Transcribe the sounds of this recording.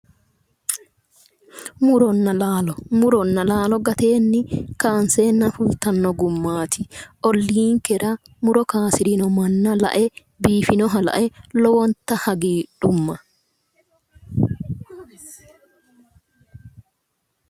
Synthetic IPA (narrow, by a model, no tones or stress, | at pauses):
mʊɾɔnːɐlaːlɔmʊɾɔnːɐlaːlɔɡɐt̪e̞ːnːɪkaːnseːnːɐfʊlt̪ɐnːɔɡʊmːaːt̪ʰɪʔɔlːiːŋkɛɾɐ | mʊɾɔkaːsɪɾɪnɔmɐnːɐlɐ̰ʔɛ | biːfɪnɔɦɐlɐ̰ʔɛlɔwɔnt̪ːɐhɐɡiːᶑʊmːɐ